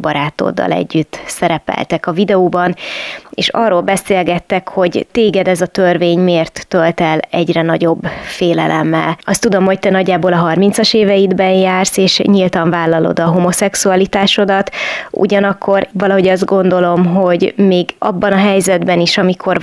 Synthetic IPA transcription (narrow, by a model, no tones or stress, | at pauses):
bɒɾaːt̪o̰d̪ːɒ̰lɛ̰ɟːyt̪ːsɛɾɛpɛ̰lt̪ɛkɒvid̪ɛoːbɒnḛːʃɒːrːoːlbɛseːlɡɛt̪ːɛkho̞ɟt̪eːɡɛd̪ɛzɒt̪ørveːɲmeːrt̪ːølt̪ɛlɛɟrɛnɒɟo̞bːfeːlɛlʔɛmːɛ̰lɒst̪ud̪o̞mho̞c̚t̪ɛnɒɟːaːboːlɒɦɒrmint̪sɒʃeːvɛjid̪bɛɲjaːrseːʃɲilt̪ɒɱvaːlːɒlo̰d̪ɒɦomo̞sɛksuɒlit̪aːʃo̞d̪ɒt̪ṵɟɒnɒkʰːo̞rvɒlɒɦo̞ɟɒzd̪ɡo̞nd̪o̞lo̞mɦo̞ɟmeːɡɒ̰bːɒnɒɦɛjzɛd̪bɛniʃɒmikʰo̞r